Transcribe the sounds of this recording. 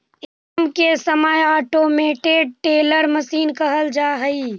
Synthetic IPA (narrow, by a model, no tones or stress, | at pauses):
ɪ | mkesəmaːjaːʈoːmeːʈeɖ̚ʈeːləɾməsiːnkəɦəld͡ʒaːɦəi